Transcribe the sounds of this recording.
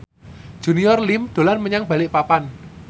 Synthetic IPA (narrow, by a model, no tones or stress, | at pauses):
ʒ̥ṳniɔrlimd̪̥o̤lanməɲaŋb̥a̤lɪʔpapan